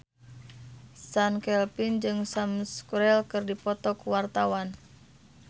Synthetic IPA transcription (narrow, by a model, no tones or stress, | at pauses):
sankɛlpind͡ʒɨŋsamskuɾɛlkɨrdipɔt̪ɔkuwart̪awan